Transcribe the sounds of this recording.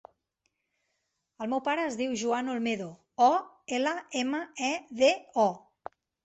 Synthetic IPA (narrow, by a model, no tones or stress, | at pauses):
əlˠmɛwpaɾəːzðiwʒuanolˠmeðo | ɔ | eləeməɛðeɔ